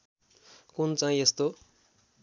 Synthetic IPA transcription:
kunt͡saɦĩest̪o

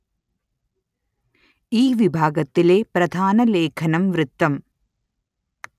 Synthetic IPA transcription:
iːʋɪbʱaːɡɐt̪ːɪleːpɾɐd̪ʱaːnɐleːkʰɐnɐmʋɾɯt̪ːɐm

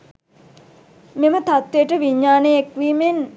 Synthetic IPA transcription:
memət̪at̪ʋejəʈəʋiɲːaːnejekʋiːmen

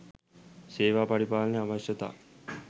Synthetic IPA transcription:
seːʋaːpaɽipaːlneaʋaʃjət̪a̰ː

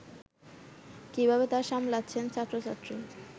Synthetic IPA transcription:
kibʱabet̪aɾʃamlatːɕʰent͡ɕʰat̪ːɾot͡ɕat̪ːɾi

